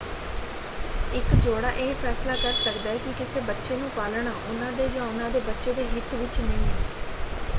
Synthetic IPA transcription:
ɪkd͡ʒoːɽaːʔeːepʰɛːslaːkəɾsəkd̪aːɛːkɪkɪseːbətːʃeːnũːpaːlɳaːʔʊnãːd̪eːd͡ʒãːʊnãːd̪eːbətːʃeːd̪eːɦɪt̪ʋɪt͡ʃnəĩ

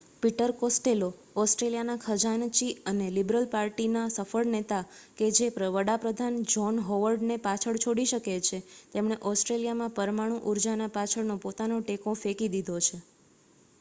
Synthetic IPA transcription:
piʈəɾkosʈelo | ɔsʈɾelijanakʰəd͡ʒant͡ʃiənelibɾəlpaɾʈinasəfəɭnet̪aked͡ʒepɾəʋəɽapɾəd̪ʱand͡ʒɔnɦɔʋəɾɖnepat͡ʃʰəɭt͡ʃʰoɽiʃəket͡ʃʰet̪emɳ̃eʔɔsʈɾelijamãpəɾmaɽ̃ũʔuɾd͡ʒanapat͡ʃʰəɭnopot̪anoʈekõfekid̪id̪ʱot͡ʃʰe

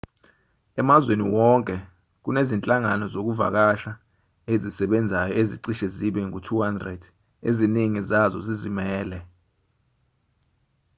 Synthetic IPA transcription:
ɛmazweniwɔŋkʼɛ | k̬unezint͡ɬʼaŋanɔzok̬uva̰k̬aʃa | ezisɛɓɛnd͡zʱajɔeziǀiʃɛziɓɛŋutʰuhandrɛd̥ | eziniŋizazɔ̰zizimɛːlɛ

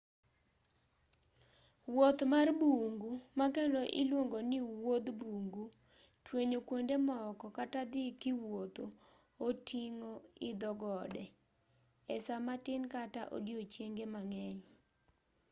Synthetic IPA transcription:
wot̪marbuŋɡumakendoʔɪ̰lwoŋɡonɪwod̪buŋɡu | tweɲokwondemɔkɔkatad̪ɪkɪwot̪o | otiŋoɪd̪ɔɡɔdɛ | ɛsamatɪnkataʔo̰djot͡ʃjeŋɡemaŋɛɲ

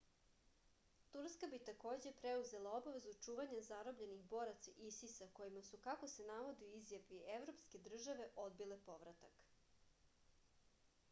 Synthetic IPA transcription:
t̪uɾskabit̪ako̞ːd͡ʑe̞pɾeuze̞lˠao̞baʋe̞zut͡ʂuːʋaɲazaɾo̞bʎe̞nixbo̞ɾat̪sisisako̞jimasukako̞se̞naʋo̞d̪euizjapieʋɾo̞pske̞d̪r̩ʒaʋe̞ʔo̞d̪bile̞po̞ʋɾat̪ak

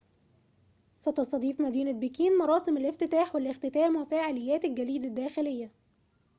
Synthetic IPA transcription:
sæt̪ɑsˤt̪ɑd̪ˤiːfmæd̪iːnæbikiːnmɑɾˤɑːsɪmɪlʔɪft̪ɪt̪aːħwælʔɪxt̪ɪt̪æːmwæfæːʕalɪjːæːt̪ɪlɡæliːd̪æd̪ːæːxɪlɪjːæ

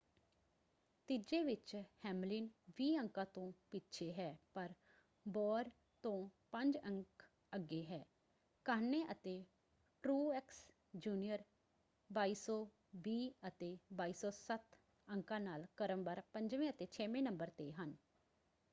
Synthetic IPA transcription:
t̪ɪd͡ʒeːʋɪt͡ʃhɛːmlɪnʋiːəŋkãːt̪õːpitːt͡ʃʰeːɦɛːpəɾ | bɔːɾ | t̪õːpəɲd͡ʒəŋk | əɡːeːɦɛː | kaːnẽːʔət̪eː | ʈɾuːɛks | d͡ʒuːnijəɾ | baːiːsɔː | ʋiːət̪eːbaːiːsɔːsət̪ | əŋkãːnaːlkəɾəmbaɾpəɲd͡ʒʋẽːət̪eːt͡ʃʰɛːʋẽːnəmbəɾt̪eːɦən

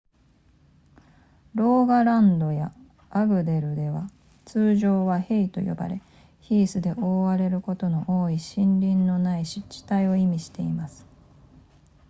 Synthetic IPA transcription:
ɾo̞ːɡaɾãnd̪o̞jaː | ɡɯ̟d̪e̞ɾɯ̟d̪e̞βa | t͡sɨːʑo̞ːβahe̞it̪o̞̰jo̞̰ba̰ɾe̞ | çiːsɨd̪e̞ʔo̞ːβaɾe̞ɾɯ̟ko̞t̪o̞no̞ʔoːiɕĩnɾʲĩnːo̞naiɕit͡ɕi̥t̪aio̞imʲiɕi̥t̪e̞imasɨ̥

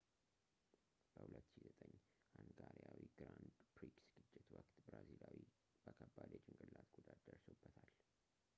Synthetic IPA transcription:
b̥əhulət̪ːʃizət̪ʼəɲː | ʔanɡaɾjawiɡɾand̪pɾiksɡ̥ɨt͡ʃʼːɪt̪wəkt̪bɾazilawi | b̥əkʰəbːad̪jɛt͡ʃʼɪŋɡʼɨlːat̪ɡod̪ad̪əɾsobːət̪ʰal

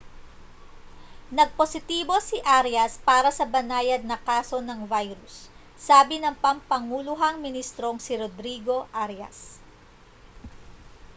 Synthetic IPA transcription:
nɐɡ̚po̞sɪt̪iːbo̞sɪʔaɾjɐspaːɾɐsɐbɐnaːjɐd̪̚nɐkaːso̞nɐŋvajɾʊsː | aːbɪnɐŋpɐmpɐŋulʊɦɐŋmɪnist̪ɾo̞ŋsɪɾod̪ɾiːɡo̞ʔaɾjɐ̰s

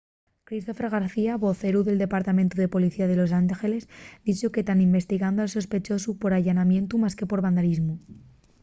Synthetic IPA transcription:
kɾist̪o̞feɾɣaɾθiaβo̞θe̞ɾuðe̞ld̪e̞paɾt̪amẽnt̪uðe̞po̞liθiað̞e̞lo̞s̬aŋxe̞le̞zd̪it͡ʃoke̞t̪animbe̞st̪iɣand̪oalso̞spe̞t͡ʃo̞supo̞ɾaʝanamjẽ̞nt̪umaske̞po̞ɾβand̪aɾizmu

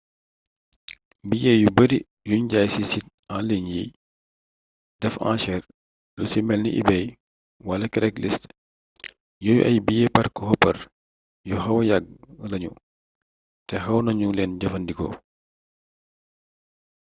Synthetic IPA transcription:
bijɛjubɐɾi | juɲɟaːjsisit̚ | ãːliɲji | dɛfã̰ːʃɛr | lusimɛlnḭʔḭbɛj | wɐlɐkɛɾɛklist | jɔːjṵʔɐjbijɛpɐrkɔhɔpːɐr | juɦɐwɐjaɡ̚lɐɲṵ | tɛxɐwnɐɲulɛːnɟɐfɐndikɔ̰

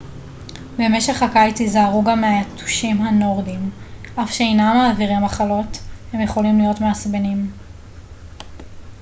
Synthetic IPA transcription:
be̞me̞ʃeχhakajt͡sizaːʁuɡamːeajatʰu̥ʃimɦano̞ʁdim | ʔafʃeejnamaːviʁimaχalo̞the̞mjeχo̞limlijo̞tmeasbenim

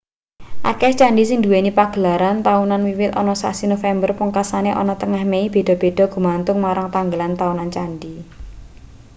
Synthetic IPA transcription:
ʔa̰kɛst͡ʃaɳɖisɪŋd̪ṳwenipaɡ̥əlaɾant̪aunanwiwɪt̪ɔnɔsa̰sinofɛmbərpuŋkasaneʔɔ̰nɔt̪əŋahmeib̥e̤d̥ɔ̤b̥e̤ɖ̥ɔ̤ɡ̥ṳmant̪ʊŋmaɾaŋt̪aŋɡəlant̪aunant͡ʃanɖi

